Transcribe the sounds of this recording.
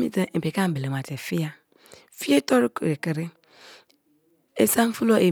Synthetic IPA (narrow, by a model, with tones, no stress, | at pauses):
mḭ˦te˦˨pe˨ka˦m̩˨be˨le˨ma˨te˨fi˦ja˦ | fi˦e˦to˦ɾu˦ku˨ɾe˨ke˨ɾi˦ | e˦sa˦m˦fu˦lo˦ʔe˨